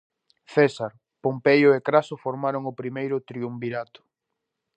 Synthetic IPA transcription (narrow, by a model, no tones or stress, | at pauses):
θɛsaɾ | pompejʊekɾasʊfoɾmaɾʊŋʊpɾimejɾʊt̪ɾiumbiɾat̪ʊ̥